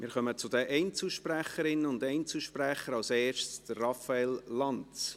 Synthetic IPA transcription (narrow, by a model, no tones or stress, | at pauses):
mɪɾχœmət͡sʊdəʔɛɪnt͡suʃpræχəɾɪnːəʊndɛɪnt͡suʃpræχəɾɑlsɛːɾʃtsd̥ərːɑfɑɛllɑnt͡s